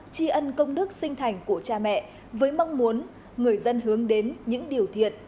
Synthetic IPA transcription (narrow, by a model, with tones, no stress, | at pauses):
t͡ɕi˧ʔə˧nkə˧wŋ͡mnɨ˦˥ək̚sï˧ŋ̟t̪ʰa˨˩jŋ̟ku˧˩ət͡ɕaː˧mɛ̰˧˨ | vəː˨˦jma˧wŋ͡mmu˨˦ən | ŋɨ˨˩əjzə˧nɦɨ˨˦əŋɗe˨˦nɲɨ̰˧˥ŋɗi˨˩əwt̪ʰḭ˧˨ən